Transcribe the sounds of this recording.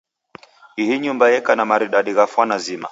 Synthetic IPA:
iɦiɲumbajɛkanamaɾiɗaɗiɣafwanazima̰

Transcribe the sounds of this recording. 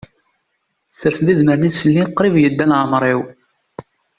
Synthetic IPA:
θəɾθd̪izməɾnisfəlːinqːɾivjəd̪ːænʕəmɾˤiw

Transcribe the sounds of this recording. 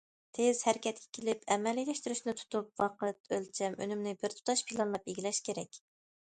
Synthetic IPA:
t̪ʰez̥hæɾɪkʲʰɛt̪̚kʲʰɛ̥kʲʰelɪpʰɛmɛlilʲɛʃt̪yɾyʃnɪt̪ʰu̥t̪up̚wɑqɨt̪ølt͡ʃʰɛmʔø̰nymnɪbɪɾt̪ʰu̥t̪ʰɑʃpʰilˠɑnlˠɑpeɡʲilɛʃkʲʰeɾɛkʲ

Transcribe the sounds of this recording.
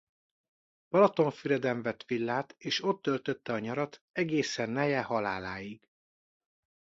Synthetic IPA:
b̥ɒlɒt̪o̞ɱfyɾɛd̪ɛɱvɛt̪ʋilːaːt̪eːʃo̞t̪ːølt̪øt̪ːɛɒɲɒɾɒt̪ɛɡeːsɛnːɛjɛhɒlaːlaːjiɡ̥

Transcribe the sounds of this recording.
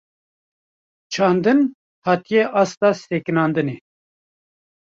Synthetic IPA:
t͡ʃʰɑːnd̪ɨn | hɑːt̪ijeʔɑst̪ɑːsekɨnɑːnd̪ɨneː

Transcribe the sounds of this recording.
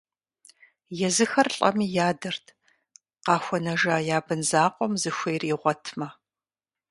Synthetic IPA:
jɛzɨxɐrɬʼɐ̰miːjaːdɨrtʰ | qɑːxʷɔnɐʒaːjaːbɨnzaːqʷɔmzɨxʷeːriːʁʷɔtʰmɐ

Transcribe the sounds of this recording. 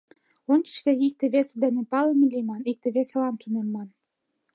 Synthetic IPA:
ont͡ɕə̥ʃt̪eik̚t̪ĕβesed̪ænepɑləmilʲimɑnik̚t̪ĕβesĕlɑmt̪ʰunenmɑn

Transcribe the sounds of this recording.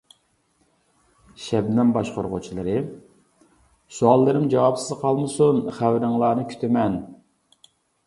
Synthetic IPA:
ʃɛbnɑmbɑʃqoɾʁʊ̰t͡ʃʰilˠɨɾɨ | suɑlˠːɨɾɪmd͡ʒɑwɑpsɨzqʰɑlˠmɨsunχæwɾɪŋlˠɑːnɨkʲʰy̥t̪ʰɪmɛn

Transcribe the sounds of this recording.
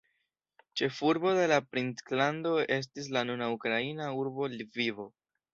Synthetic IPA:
t͡ʃe̞fuɾbo̞de̞lapɾintklando̞e̞s̬tis̬lanunaukɾainauɾbo̞lvivo̞

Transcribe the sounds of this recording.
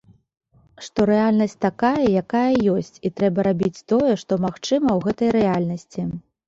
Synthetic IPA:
ʂt̪ɔɾɛalʲnɐsʲt͡s̚ʲt̪akajɐjakajɐjɔsʲt͡sʲit̪ɾɛbɐɾabʲit͡sʲt̪ɔjɛʂt̪ɔmaxt͡ʂɨmɐwɣɛt̪ɐjɾɛalʲnɐsʲt͡sʲi

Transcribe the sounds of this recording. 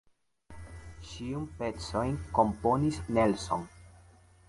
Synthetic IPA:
ʃiunpe̞t͡so̞jnko̞mpo̞nisnelso̞̰n

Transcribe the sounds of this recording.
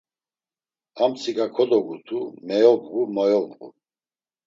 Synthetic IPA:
amsʰiɡakʰɔd̪ɔɡut̪ʰumɛjɔbɡumɔjɔbɡṵ

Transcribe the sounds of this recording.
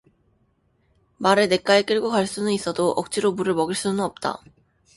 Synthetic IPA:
maɾene̞k͈aek͈eɭɡokaɭs͈unɯnis͈ʌdoʔʌk̚t͡ɕ͈iɾomuɾɯɭmʌɡiɭs͈unɯnʌp̚t͈a̰

